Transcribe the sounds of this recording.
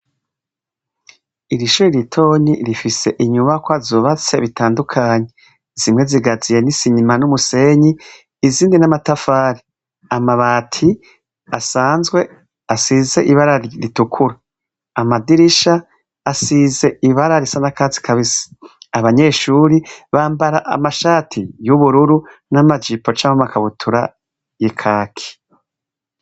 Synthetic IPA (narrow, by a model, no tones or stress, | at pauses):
iɾiʃuːɾiɾitʰo̞ːɲiɾifise̞̰ʔiɲuβakwazuːβat͡se̞βitʰaːndukʰaːɲe̞ | z̥imŋe̞ziɡazijenisiɲimanumuseɲiː | ziːndinamatafaːɾi | amaβaːtʰi | asaːnzɡwe̞ | asize̞ʔiβaɾaɾiɾitukʰuɾaː | madiɾiʃaː | size̞iβaɾaɾisanakaːzi̥kʰaβisi̥aβaɲe̞ːʃuːɾiβaːmbaɾaʔa̰maʃaːtʰijuβuɾuɾu | namad͡ʒipo̞t͡ʃamumakʰaβutʰuɾa̰ | jikʰaːkʰi̥